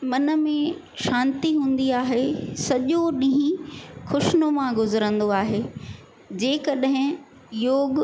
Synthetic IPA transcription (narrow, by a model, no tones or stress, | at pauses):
mɐnə̆mẽ | ʃãːnt̪iɦũːn̆d̪iaːɦesɐʄoɗĩɦĩxʊʃnomãɡʊzəɾə̃nd̪oaːɦeː | d͡ʑeːkɐɗɦɪ̃ | joːɡ